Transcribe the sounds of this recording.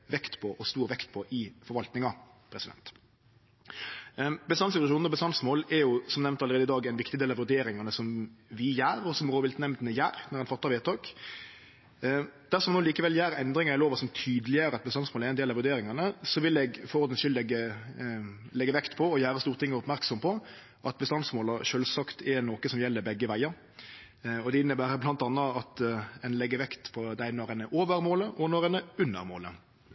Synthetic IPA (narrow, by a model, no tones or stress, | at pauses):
ʋɛkt̪pʰɔʔɔst̪uːɾʋɛkt̪̚pʰɔʔɪfɔɾʋɑlt̪nɪŋɑ | pʰɾɛsɪd̪ɛ̰nt̪ | bəst̪ɑnsɪt̪ʉɑʃuːnɔbəst̪ɑnsmoːlɛɾjʊsɔmnɛʋnt̪ɑlɾeːd̪əɪd̪ɑːɡɛnʋɪkt̪ɪd̪eːlɑʋʉd̪eːɾɪŋɑnəsɔmʋɪjæːɾɔsɔmʁoːʋɪlt̪nɛmd̪nəjæ̰ːɾnɛʁɛnfɑt̪ːɑʋeːt̪ʰɔk | d̪æʁsɔmnoːliːkəʋɛljæːɾɛnd̪ɾɪŋɑɾɪloːʋɑsɔmt̪ʰyːd̪lɪjəɾəɑt̪̚bəst̪ɑnsmoːlæɾɛɪnd̪eːlɑʋʉɾd̪eːɾɪŋɑnəsɔʋɪlɛɡfɔɾɔɾd̪ənʃʏld̪ɛɡə | lɛɡːəʋɛkt̪pʰɔɔjæːɾəst̪uːɾt̪ɪŋːəɔpmæɾksɔmpʰɔ | ʔɑt̪̚bəst̪ɑnsmoːləʃøːlsɑkt̪ʰɛnoːkəsɔmjɛlːəɾbɛɡːəʋæɪəɾ | ɔd̪ɛɪnːəbæːɾəblɑnt̪ɑnːəɑt̪ɛnlɛɡːəɾʋɛkt̪pʰɔd̪æɪnoʁənəʔoːʋəɾmoːləʔɔnɔɾənəʉnːə̰ɾmo̰ːlə̰